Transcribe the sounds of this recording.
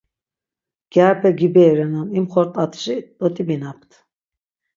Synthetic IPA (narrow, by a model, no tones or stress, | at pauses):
ɡ̥aɾpʰɛɡibɛɾɛnanimχɔɾt̪ʼat̪ʰʃid̪ɔt̪ʰʼibinap̚ʰt̪ʰ